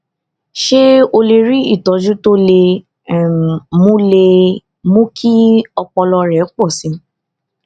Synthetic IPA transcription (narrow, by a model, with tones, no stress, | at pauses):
ʃe˦o˧le˧ɾi˦i˦˨tɔ˨˦d͡ʒũ˦to˦le˧˦˨ | mũ˦le˧ | mũ˦kʰi˦ɔ˧k͡pɔ˧lɔ˧ɾɛ˨˦k͡pɔ˦˨sĩ˨˦